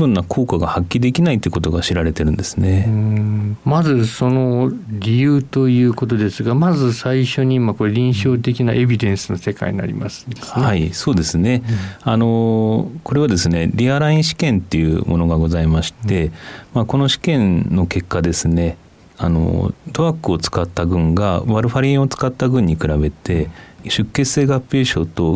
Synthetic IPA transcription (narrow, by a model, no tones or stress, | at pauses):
bɯ̟̃nːakʰo̞ːkaɡahakʲːiid̪e̞kʲinait̪oiɯko̞t̪o̞ɡaɕiɾaɾe̞t̪e̞ɾɯ̟̃nd̪e̞sɨ̥ne̞ | mazɨso̞no̞ɾʲijɯːt̪o̞jɯ̟ːko̞t̪o̞d̪e̞sɨɡamazɨsaiɕo̞ɲ̟imakoɾeɾʲĩɰ̃ɕo̞ːt̪̬e̞kʲinaʔe̞bʲid̪ẽ̞ɰ̃sɨnose̞ka̰ḭɲʲina̰ɾʲḭmasɨ̥nd̪ehaiso̞ːd̪e̞sɨne̞ano̞ko̞ɾe̞β̞ad̪e̞sɨne̞ɾʲiaɾaĩɕi̥kẽ̞nt̪ːe̞jɯ̟̰mʔo̞no̞ɡaɡo̞zaimaɕi̥t̪e̞mako̞no̞ɕi̥kẽ̞nːo̞ke̞kːad̪e̞sɨne̞ | ano̞̰t̪o̞akɯ̟o̞t͡sɨ̥kat̪ːaɡɯ̟̃ŋɡaβaɾɯ̟ɸaɾʲĩo̞t͡sɨ̥kat̪ːaɡɯ̟̃ɲ̟ːikɯ̟ɾabe̞t̪e̞ɕɨkːe̞ɨ̥seːɡapːe̞ːɕo̞ːt̪o̞